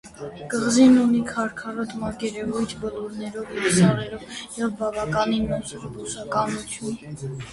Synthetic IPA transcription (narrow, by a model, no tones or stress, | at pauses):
kəʁzinunikʰɑɾkʰɑrɔt̪mɑkɛɾɛvujt̪ʰbəluɾnɛɾɔvjɛsɑrɛɾɔvjɛvbɑvɑkɑninmɔsʰuɾbusɑkɑnut͡sʰjun